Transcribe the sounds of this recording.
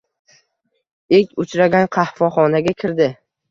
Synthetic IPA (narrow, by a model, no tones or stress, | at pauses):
ekʲʊt͡ʃɾaɡʲanqʰɑhfɒχɒnaɡʲakʲʰɪɾd̪ɪ